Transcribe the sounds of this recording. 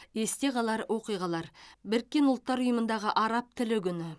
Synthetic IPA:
e̞st̪e̞ʁɑlˠɑɾwo̞qijʁɑlˠɑɾbɪɾkʲːe̞nʊlˠt̪ːɑɾʊjəmənd̪ɑʁəʔɑɾɑp̚t̪ʰɪlɪɡʲʏnɪ

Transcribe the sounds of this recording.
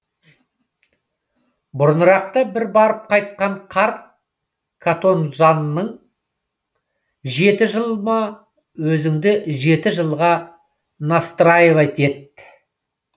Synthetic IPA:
bʊɾənəɾɑq̚t̪əbɪɾbɑɾəp̚qʰɑjt̪̚qɑɴqʰɑɾt̪̚ | kʰat̪o̞nʒɑnənəɴ | ʒe̞t̪ɪʒəlˠmɑ | wɵzɪŋd̪ɪʒe̞t̪ɪʒəlˠʁɑ | nɑst̪ɾɑjevɑjt̪e̞t̪̚

